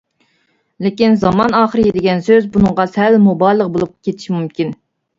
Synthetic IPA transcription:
lɪkʲinzɑmɑnɑːχəɾɨjed̪ɪɡʲɛnsøzbunɨɴʁɑsɛlmobɑjlˠəq̚bolˠup̚kʲʰet̪ʰɪi̥ʃimumkʲin

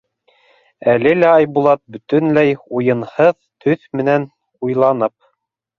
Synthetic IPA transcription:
ælɘlæɑjbulˠɑt̪̚bɵ̆t̪ɵ̆nlæjujɤ̆nhɤðt̪ɵθmɘ̆næn | ujlˠɑnɤp̚

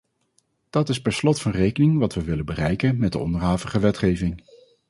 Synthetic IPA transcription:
d̥ɑtɪspɛɹslɔtfɑnrejkənɪŋʋɑtʋəʋɪləbərɛjkənmɛdə̰ɔ̰ndəɹɦaːvəχəʋɛtχejvɪŋ

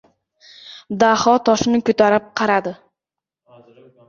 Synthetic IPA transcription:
d̪ahɒt̪ʰɒʃnɪkʲʰøt̪aɾɪp̚qʰɑɾad̪ɪ

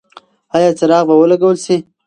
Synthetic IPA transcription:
ɑjɑːt͡səɾɑɣbawəlaɡawəlsi

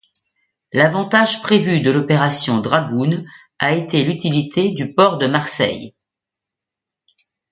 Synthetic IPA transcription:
lavɑ̃t̪aʒpχevyd̪əlɔpeʁasjɔ̃d̪ʁaɡun | aet̪elyt̪ilit̪ʰed̪ypɔʁd̪əmaʁsɛ̰j

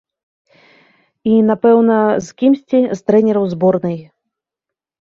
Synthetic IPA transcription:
inapɛwn̪ɐzkʲimsʲt͡sʲist̪ɾɛnʲɛɾɐwzbɔrnɨj

